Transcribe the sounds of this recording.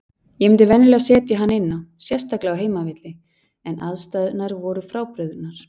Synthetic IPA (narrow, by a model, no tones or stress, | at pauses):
jɛmɪnt̪ɪvɛnːʏlɛɣasɛːt̪jaɦanːɪnːawsjɛst̪ʰaklɪawɦeːjmavɪt̪lɪ | ɛnʔaðst̪aðnaɾvɔɾʏfɾaːwpɾʏðʏnaɾ̥